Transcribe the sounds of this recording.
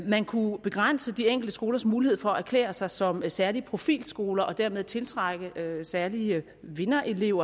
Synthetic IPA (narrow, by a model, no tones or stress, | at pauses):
mænkʰub̥e̝ɡ̥ʁan̰səd̥ieŋ̰ɡ̥l̩dəsɡ̥o̝ːlɐsmuːlihe̝ð̞̰ˠfɒ̽ææɐkʰlḛːɐsɑ̈ɪsɒ̽msæɐliəpʰʁo̝fḭːlsɡ̥o̝ːlɐʔɒ̽d̥æɐmeðˠt͡sʰe̝lt͡sʰʁaɡ̥əsæɐliə | ʋe̝nɐʔe̝le̝ʊ̰ɐ